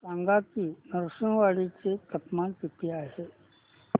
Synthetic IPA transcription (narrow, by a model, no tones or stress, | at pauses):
sãŋɡakiːnəɾʂəɳʋaɭit͡set̪əpmanpipiaɦe